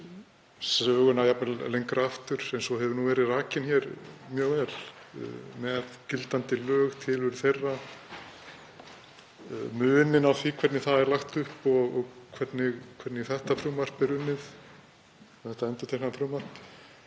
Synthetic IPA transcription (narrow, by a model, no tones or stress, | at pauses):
sœːɣʏnajapnɛllejŋkɾaft̪ʏɾ̥ɛnsɔɦɛvʏɾnuvɛːɾɪðraːcɪnçɛɾmjœːɣɛl̰ | mɛðcɪlt̪ant̪ɪlœːɣt̪ʰɪlʏɾθejrːa | mʏːnɪnawθvikʰvɛt̪nɪθaðɛɾlaxt̪ʏhpɔɣɔɣkʰvɛt̪nɪɣkʰvɛɾt̪nɪɣθɛht̪afɾuːmar̥pɛɾʏmnːɪθ | θɛht̪aɛnt̪ʏ̥t̪ʰehkanfɾumar̥p